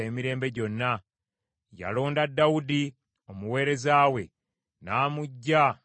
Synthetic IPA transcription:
e̞ːmiɾe̞ːmbe̞ɟo̞nːa | ja̰lo̞ːndadawudi | o̞muwe̞ːɾe̞zaːwe̞ | naːmuɟːa

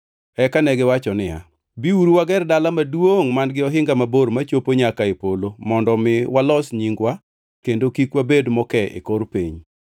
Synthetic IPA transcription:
ɛkanɛɡɪwat͡ʃɔnɪja̰ | biuɾuwaɡɛrdalamadwoŋmanɡɪɔɦɪŋɡamaboɾmat͡ʃopoɲakaepolomɔndɔmɪwalɔsɲiŋɡwa | kendokikwabedmɔkɛɪ̰koɾpeɲ

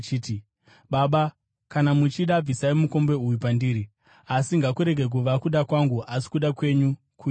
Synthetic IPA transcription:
t͡ʃiːti | ɓaɓa | kanamut͡ʃiɗab͡visaimuko̞mbe̞ujupandiːɾi | asiŋɡakuɾe̞ɡʱe̞k̬uʋakuɗakwaŋɡuʔasi̥kuɗakwe̞ɲu | ku

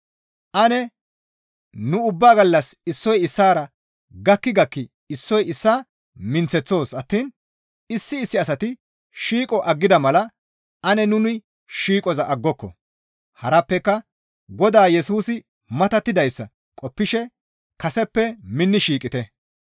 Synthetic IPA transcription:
ʔɐnɛ | nʊʊbːaːɡɐlːɐsɪsːɔjɪsːaːɾɐ | ɡɐkːɪɡɐkːɪ | ɪsːɔjɪsːaː | mɪnt͡sɛt͡sːo̞ːsɐt̪ːiːn | ɪsːɪːsːɪɐs̬ɐt̪ɪ | ʃiːkʼɔʔɐɡːɪd̪ɐmɐlɐ | ɐnɛnʊnɪ | ʃiːkʼɔzɐʔɐɡːɔkːɔ̰ | hɐɾɐpːɛkːɐ | ɡɔd̪aːjɛsuːsɪ | mɐt̪ɐt̪ːɪd̪ɐjsːɐ | kʼɔpːɪʃɛ | kɐsɛpːɛmɪnːɪʃiːkʼɪt̪ɛ

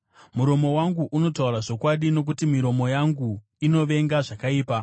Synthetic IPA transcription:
muɾo̞mo̞waŋɡuʔuno̞tauraʐo̞kwaɗino̞k̬utimiɾo̞mo̞jaŋɡu | ino̞ʋe̞ŋɡaʐakaiːpa

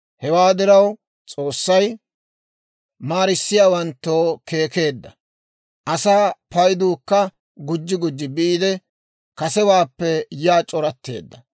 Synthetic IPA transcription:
hɛwaːd̪ɪɾɐw | t͡sʼo̞ːsːɐj | maːɾɪsːɪjaːwɐnt̪ːoːke̞ːke̞ːd̪ːɐ | ʔɐsaːpɐjd̪uːkːɐ | ɡʊd͡ʒːɪɡʊd͡ʒːɪbɪʔiːd̪ɛ | kɐsɛwaːpːɛjaːt͡ʃʼɔɾɐt̪ːe̞̰ːd̪ːɐ

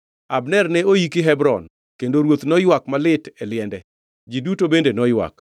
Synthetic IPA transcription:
abnɛrnɛojikɪɦɛbɾɔ̰n | kendoɾwot̪nɔjwak̚malɪtɛlɪɛndɛ | d͡ʒidutobendenɔjwa̰k

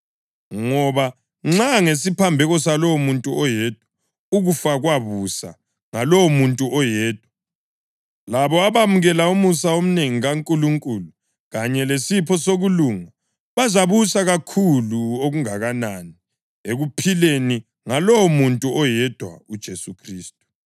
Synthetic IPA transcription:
ŋɔβa | ŋ͡ǁaŋesipʰambʱɛɣɔsalɔwomuntʼuɔjɛd̥ʱwa | uɣufaɣwaβusa̰ | ŋalɔwmuntʼuʔɔjɛːd̥ʱwa | laβɔaβamuɣɛlaumusaom̩neŋiɣaŋkʼuluŋkʼulu | ɣaɲɛlesipʰɔsoɣuluːŋa | βazaβusaɣakʰuluoɣuŋaɣanani | eɣupʰileni | ŋalowɔmuntʼuɔjɛd̥ʱwa̰ud̥ʒ̥ʱesukʰriːstʼu̥

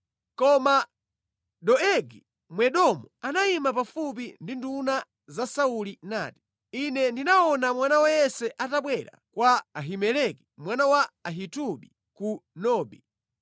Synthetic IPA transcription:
kɔma | ɗɔɛɡi | mwɛɗɔmuanaimapafup̬indinduna | zasaulina̰ːti̥ | inɛndinaɔnamwanawajɛsɛʔataɓwɛɾa̰kwaːɦimɛlɛki̥mwanawaaɦituɓi | kunɔːɓi

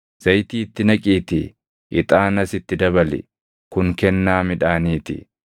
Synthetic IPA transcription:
z̥ɐjt̪iːt̪ːɪnɐkʼiːt̪ɪ̰ | ʔɪt̪ʼaːnɐsɪt̪ːɪd̪ɐbɐlɪ̰ | kʊŋkɛnːaːmɪᶑaːniːt̪ɪ̰

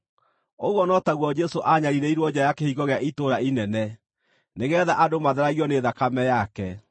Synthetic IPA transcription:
oɣwɔnɔtaɣwɔd͡ʒɛsoʔaɲaɾiɾɛiɾwɔd͡ʑajakehiɣɔɣeaʔitoɾainɛnɛ | neɣɛːðaʔadomaðeɾaɣiɔneːðakamɛjakɛ

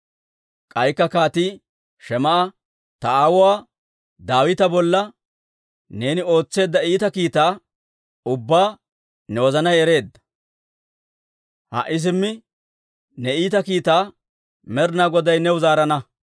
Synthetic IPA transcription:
kʼɐjkːɐkaːt̪iː | ʃɛmɐʔɐ | t̪ɐaːwɔwaː | d̪aːwɪt̪ɐbɔlːɐ | ne̞ːnɪo̞ːt͡sːe̞ːd̪ːɐiːt̪ɐkiːt̪aː | ʊbːaː | nɛwɔzɐnɐjɛɾe̞ːd̪ːɐ̥ | hɐ̰ʔɪs̬ɪmːɪ | nɛiːt̪ɐkiːt̪aː | mɛɾnaːɡɔd̪ɐjnɛwʊzaːɾɐnɐ

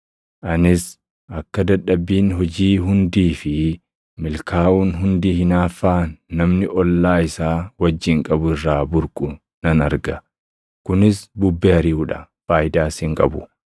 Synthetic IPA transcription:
ʔɐnɪs | ʔɐkːɐd̪ɐᶑːɐbːiːnɦɔd͡ʒiːɦʊnd̪iːfɪ | mɪlkʰaːʔuːnɦʊnd̪iːhɪnaːfːaːnɐmnɪʔɔlːaːɪsaːwɐd͡ʒːɪŋkʼɐbʊɪrːaːbʊɾkʼʊ | nɐnɐɾɡɐ | kʊnɪsbʊbːɛhɐɾɪuːᶑɐ | faːjd̪aːshɪŋkʼɐ̰bʊ

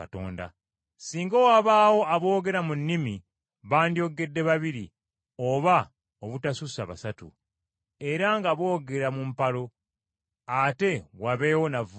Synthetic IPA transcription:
ato̰ːnda̰ | siːŋɡowaβaːwo̞ʔaβo̞ːɡe̞ɾamunːimi | βaːndjo̞ɡe̞dːe̞βaβiɾi | oβa | oβutasusaβa̰satṵ | e̞ɾaŋɡaβo̞ːɡe̞ɾamumpalo̞ | ate̞waβe̞ːwo̞nav

